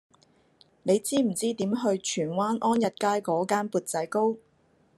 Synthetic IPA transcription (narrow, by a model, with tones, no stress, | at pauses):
ne˨˧jt͡siː˥m̩˨˩t͡siː˥t̪iː˨˥mɦɵ˧ɥt͡ʃʰyː˨˩nwaː˥nʔɔː˥njɐ˨t̚kaː˥jkɔː˨˧˥kaː˥npuː˨˧t̚t͡sɐ˨˥jko˥w